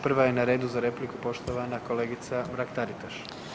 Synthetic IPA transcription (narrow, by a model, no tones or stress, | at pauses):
pr̩ʋaje̞naɾe̞ːd̪uzaɾe̞plikupo̞ʃt̪o̞ʋanako̞le̞ːɡit̪samɾakt̪aɾit̪aʃ